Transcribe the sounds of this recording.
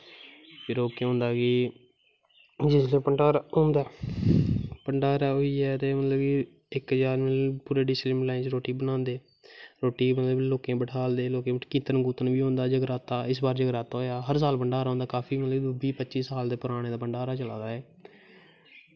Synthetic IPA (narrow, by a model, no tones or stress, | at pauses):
pʰɪɾoːkẽːɦõːnd̪aːkɪː | d͡ʒɪslẽːpəɳɖaːɾaõːnd̪aː | pəɳɖaːɾaːoːiːɛːt̪eːmət̪ləbki | ɪkd͡ʒaːɾmɪpuːɾeːɖɪslɪmlaːɪnt͡ʃɾoːʈiːbənãːnd̪eː | ɾoːʈiːmət̪ləbloːkẽːbəʈʰaːld̪eːloːkẽːkiːt̪ənɡuːt̪ənbiːõːnd̪aːd͡ʒəɡɾaːt̪aːɪsbaːɾd͡ʒəɡɾaːt̪aoːjaːɦəɾs̬aːlpəɳɖaːɾaõːnd̪aːkaːpʰiːmət̪ləbd̪ʊbiːpətːt͡ʃiːsaːld̪eːpʊɾaːɽ̃eːd̪aːpəɳɖaːɾaːt͡ʃəlaːd̪aːɛː